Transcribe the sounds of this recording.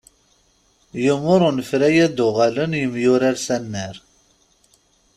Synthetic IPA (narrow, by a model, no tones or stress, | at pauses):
jəmʊɾˤʊnfɾæjæd̪uʁælənjəmjuɾæɾsænːæɾ